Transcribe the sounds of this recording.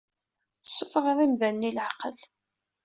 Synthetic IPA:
sːʊfʁðˤimðænːiləʕqəl

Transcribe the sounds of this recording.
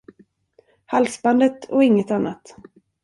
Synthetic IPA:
halsband̪ət̪ɔɪŋːət̪anːat̪

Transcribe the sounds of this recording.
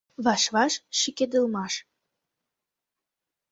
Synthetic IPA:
βɑʃβɑʃʃiked̪ə̆lmɑʃ

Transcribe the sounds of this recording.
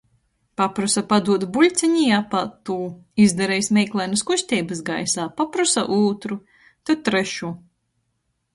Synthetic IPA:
papɾusapad̪uɔd̪bulʲt̪sʲɛɲijapat̪ːuːizd̪aɾɛjsmʲɛjklˠajnɐskuʃʲt̪ʲɛːbɐsɡajsaːpapɾusaʔuːt̪ɾu | t̪at̪ːɾeʃuː

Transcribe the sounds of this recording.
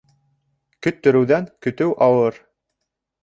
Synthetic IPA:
kɵ̆t̪ːɵ̆ɾɘ̆wðæŋkɵ̆t̪ɵwʔɑwɤɾ

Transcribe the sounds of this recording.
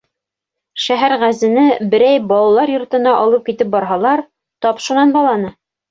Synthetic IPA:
ʃæɦæɾʁæzɘ̆nɘbɘ̆ɾæjbɑlˠɑlˠɑɾjŏɾt̪ɤ̆nɑʔɒlˠɤp̚kit̪ɘp̚bɑɾɦɑlˠɑɾ | t̪ɒpʃunɑnbɑlˠɑnɤ

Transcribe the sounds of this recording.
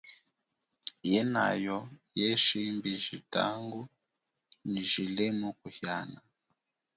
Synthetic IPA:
jɛna̰jɔjɛʃimbiʒita̰ŋɡu | niʒilɛmukuhjana

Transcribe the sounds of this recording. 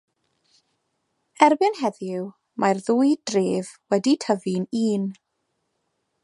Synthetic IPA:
ɛrbɪnɦɛðɪw | mʔarðuːjdreːvwɛditʰəviniːn

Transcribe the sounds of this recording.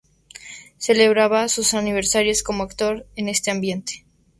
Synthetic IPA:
se̞le̞βɾaβasusaniβe̞ɾsaɾjosko̞moakt̪o̞ɾene̞st̪e̞ambje̞nt̪e̥

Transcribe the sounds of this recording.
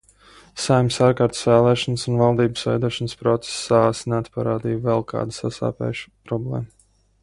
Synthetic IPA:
sajmʲsaɾkaɾt̪svæːlˠɛːʃɔnsunvalˠd̪iːbɨ̥svɛ̰jd̪uɔʃɔnspɾɔt̪se̥sːasneat̪paɾaːd̪iːjvɛlˠkʰa̰ːd̪asa̰sa̰ːpɛ̰jʃu̥pɾɔblˠɛ̰ːma

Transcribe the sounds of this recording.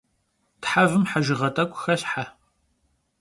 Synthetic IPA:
tħavɨmħaʒɪʁɐtʼɐkʷʼxɐɬħa

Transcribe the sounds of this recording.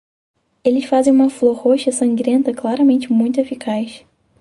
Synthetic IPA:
elɪsfazẽj̃ũmɐflohoʃɐsɐ̃ŋɡɾẽnt̪ɐklaɾɐmẽnt͡ʃɪmũj̃t̪ʊefikʰaʃ

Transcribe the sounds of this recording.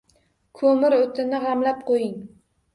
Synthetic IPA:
kʰɵmɪɾot̪ʰɪnɪʁamlap̚qʰojɪŋ

